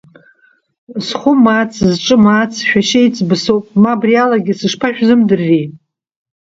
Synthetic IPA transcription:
sχʷʊmat͡sʰzʈ͡ʂʼɨmat͡sʰʃᶣaʃejt͡sʼbɨsowpʼmabrialaɡʲɪsɨʂpʰaʃᶣzɨmdɨrːi

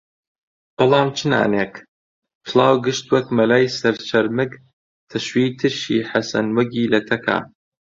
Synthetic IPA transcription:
b̥ɑlˠɑːmt͡ʃʰɨna̰ːneːk | t̪ʰɨlˠɑːwɡɨʃt̪wɐkmɐlaːjsɐɾt͡ʃʰɐɾmɨɡ | t̪ʰɐʃwiːt̪ʰɨʃḭːħasɐ̰nwɐɡiːlɐt̪ʰɐkʰa̰ː

